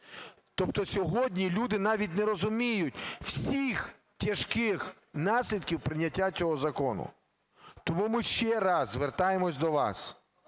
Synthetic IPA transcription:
t̪ɔp̚t̪ɔsʲɔɦɔdʲnʲilʲud̪ɪnɑʋʲit̬ʲnɛɾɔzʊmʲijʊtʲw̥sʲix | tʲɐʃkɪx | nɑsʲlʲid̪̚kʲiwpɾɪnʲːɐtʲːat͡sʲɔɦɔzɐkɔnʊ̰ | t̪ɔmumɪʃt͡ʃɛɾɑzzʋert̪ɑjemɔsʲd̪ɔʋɑ̰s

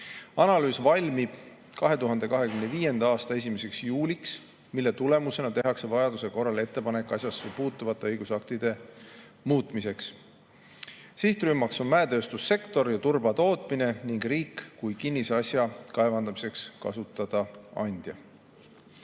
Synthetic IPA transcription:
ɑnɑlyːsvɑlʲmib̥ | kɑɦe̞t̪uɦɑnd̪̥e̞kɑɦe̞kymneviːje̞nd̪̥ɑɑːst̪ɑe̞s̬ʲimese̞ksjuːlʲiks | milːe̞t̪ule̞muse̞nɑt̪e̞ɦɑkse̞vɑjɑd̪use̞ko̞rːɑle̞t̪ːˑe̞pɑne̞kːˑɑsjɑsːepuːt̪ːˑuvɑt̪ːˑe̞ɤjɡ̥usɑkt̪id̪̥e̞ | muːt̪ˑmise̞ks | siht̪rymːɑkso̞nmæet̪ø̞ːst̪usːe̞kt̪o̞rjɑt̪urbɑt̪o̞ːt̪ˑmine̞niŋɡriːkːujkinʲːisɑsjɑkɑevɑnd̪̥ɑmise̞kskɑ̰sut̪ːˑɑd̪̥ɑɑ̰nʲd̪̥jɑ̰

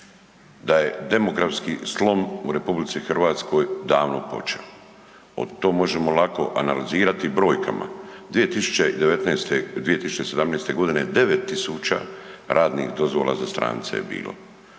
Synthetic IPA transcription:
d̪aje̞d̪e̞moɡɾafskislˠo̞muɾe̞publit̪sixrʋaːt̪sko̞jd̪aːʋnopo̞̰t͡ʃeo | o̰d̪t̪o̞ːmo̞ʒemo̞lˠako̞̰ʔanaliziːɾat̪ibɾo̞ːjka̰mʔa̰d̪ʋije̞t̪isu̥t͡ɕeid̪eʋet̪nest̪ed̪ʋije̞t̪isu̥t͡ʃe̞se̞d̪amnest̪e̞ɡo̞d̪ine̞d̪e̞ʋet̪ːisuːt͡ʃa̰ɾʔaːd̪nḭxd̪o̞zʋo̞̰lˠa̰zast̪ɾa̰ːnt̪sḛjebḭːlo̞̰

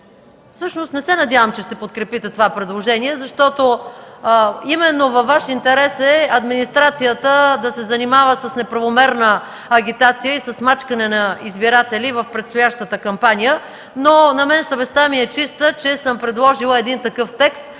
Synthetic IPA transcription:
fsɤʃnost̪nɛsɛnɐd̪ʲavəmt͡ʃɛʃt̪ɛpot̪̚kɾɛpit̪ɛt̪ovapɾɛd̪lˠoʒɛniɛzɐʃt̪ɔt̪o | imɛnːovɐfvːaʃint̪ɛɾɛsɛɐd̪minist̪ɾat̪sijət̪əd̪ɐsɛzɐnimavəsɐsnɛpɾɐvomɛɾnə | ɐɡʲit̪at̪sijəisɐsmat͡ʃkənɛnɐizbiɾat̪ɛlivəfpɾɛt̪st̪ʊjaʃt̪ət̪əkɐmpanijə | nonɐmɛnsɐvɛst̪amiɛt͡ʃist̪ət͡ʃɛsəmpɾɛd̪lˠɔʒilˠəɛd̪int̪ɐkɤft̪ɛkst̪̚

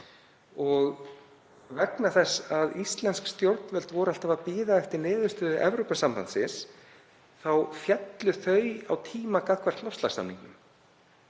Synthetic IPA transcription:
ɔɣ | vɛknaθɛsːaðist̪lɛnskst̪jowɾt̪nvɛlt̪vɔɾal̥t̪avapiːðaɛft̪ɪɾnɪːðʏst̪ʏʔɛ̰vɾopasampant̪sɪns | θawfjɛt̪lʏθœɥa̰wt̪ʰiːmakaðkʰvaɾ̥t̪lɔwfst̪lasa̰mnḭŋknʏm

